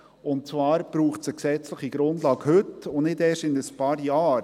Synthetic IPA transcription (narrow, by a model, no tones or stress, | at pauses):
ʊnt̚t͡svɑːɾb̥ɾuːχsəksɛt͡sləχiɡɾʊndlɑːɡhɵtʊnɪdɛːʃɪnəspɑːɾjɑːɾ